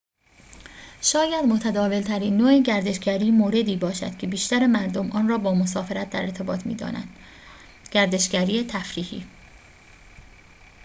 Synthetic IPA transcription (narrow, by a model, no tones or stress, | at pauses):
ʃɒːjæd̪mot̪ʰæd̪ɒːve̞lt̪ʰæɾiːnːoːeɟæɾd̪e̞ʃɡæɾiːmoːɾe̞d̪iːbɒːʃæ̰d̪̥cʰe̞biːʃt̪æɾemæɾd̪omʔɒːnrɒːbɒːmosɒːfe̞ɾæt̪̚d̪æɾeɾt̪ʰe̞bɒːt̪ʰmḭːd̪ɒ̰ːnæ̰nd̪̥ | ɟ̥æɾd̪e̞ʃɡæɾiːet̪ʰæfɾiːhḭː